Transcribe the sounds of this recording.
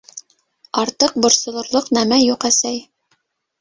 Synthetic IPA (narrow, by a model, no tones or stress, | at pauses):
ɑɾt̪ɤq̚bŏɾsŏlˠŏɾlˠoqnæmæjuqæsæj